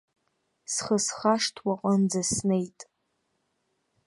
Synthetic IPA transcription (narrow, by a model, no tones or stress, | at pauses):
sχəsχaʂtʰwaqʷʼənd͡zasnejtʼ